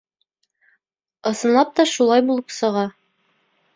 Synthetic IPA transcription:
ɤ̆sɤ̆nlˠɑp̚t̪ɑʃulˠɑjbulˠɤpsɤ̆ʁɑ

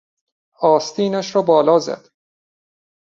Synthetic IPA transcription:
ɒːst̪iːnæʃɾɒːbɒːlɒːzæ̰d̪̥

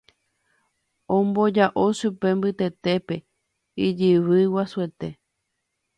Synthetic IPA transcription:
õmbo̞d͡ʒaʔoʃupe̞mbɨt̪e̞t̪e̞pe̞ | id͡ʒɨβɨwasue̞t̪e̞

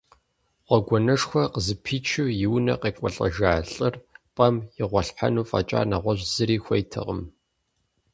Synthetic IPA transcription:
ʁʷɔɡʷɔnɐʂxʷɔqəzɨpʰiːt͡ʃʰɨwjɪwnɐ̰qeːkʷʼɔ̰ɬʼɐ̰ʒaːɬʼɨrpʼɐmjɪʁʷɐɬħa̰nuːfʼɐ̰t͡ʃʼa̰ːnaʁʷɔʑzɨɾiːxʷɐjtʰɨ̰ʁə̰m

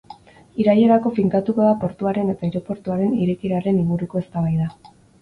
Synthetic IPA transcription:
iɾaje̞ɾako̞fiŋkat̪uko̞ðapo̞ɾt̪uaɾe̞ne̞t̪aiɾo̞po̞ɾt̪uaɾe̞niɾe̞kiɾaɾe̞niŋɡuɾuko̞e̞st̪aβajða

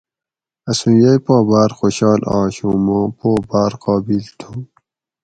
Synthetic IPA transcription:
ɐsũjajpaːbaːɾxoːɕɑːlɑːɕumaːpoːbaːɾqaːbilt̪ʰu

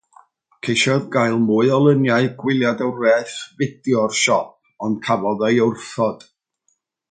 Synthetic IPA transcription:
kʰejʃɔðɡajlˠmuːɨɔlˠənjaɨɡwɪlˠjadəwrɛθvɪdjɔrʃɔp̚ɔnd̥kʰavɔðəjərθɔd̥

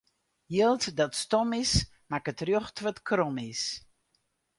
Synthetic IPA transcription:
jəlˠtdɔtstɔmɪs | makətrjoxtʰʋətkʰrɔmɪs

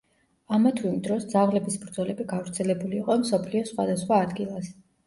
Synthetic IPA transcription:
amat̪ʰvimd̪ɾɔsd̪zaʁlɛbisbɾd̪zɔlɛbiɡavɾt̪sʰɛlɛbuliːqʼɔmsɔpʰliɔsχwad̪asχwaːd̪ɡilˠas

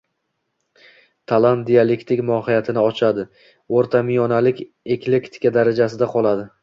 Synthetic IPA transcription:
t̪ʰalˠant̪̚d̪ijalekt̪ɪkʲmɒhɪjat̪ʰɪnɪɒt͡ʃʰad̪ɪ | oɾt̪ʰamɪjɒnalɪkʲ | ekle̞kt̪ʰɪ̥kʲad̪aɾad͡ʒasɪd̪aqʰɒlˠad̪ɪ

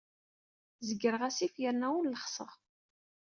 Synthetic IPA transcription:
zəɡəɾəʁæsifjəɾnæwulləχsəʁ

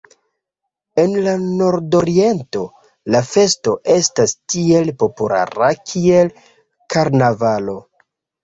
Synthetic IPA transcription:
e̞nlano̞ɾdo̞ɾie̞nto̞ | lafe̞sto̞ʔe̞stastie̞lpo̞pula̰ɾakʰie̞l | kaɾnavalo̞

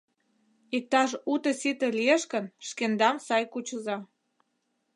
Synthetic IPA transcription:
ik̚t̪ɑʃut̪ə̆sit̪ĕlijeʃkə̆nʃkend̪ɑmsɑjkut͡ɕə̆zɑ

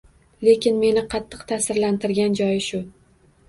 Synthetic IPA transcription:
le̞kʲɪnme̞nɪqʰɑt̪ʰːɨqt̪ʰasɪɾlant̪ɪɾɡʲand͡ʒɒjʃʊ

